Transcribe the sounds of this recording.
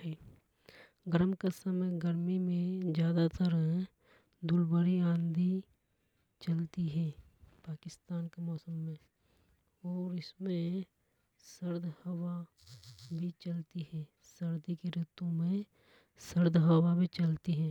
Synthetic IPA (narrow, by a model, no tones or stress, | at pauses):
ɦɛː | ɡəɾmkəsaməɡəɾmimẽd͡ʒjaːd̪at̪əɾɦɛ | d̪ʊlbəɾiãːnd̪ʱi | t͡ʃəlt̪iɦɛː | paːkɪst̪aːnkemɔːsəmːẽ | ɔːɾɪsmẽ | səɾd̪ʱhɐwa | bʱit͡ʃɐlt̪iɦɛ̃ː | səɾd̪ikeɾɪt̪õmẽ | səɾd̪ʱɦəwabʱit͡ʃɐlt̪iɦɛ̃ː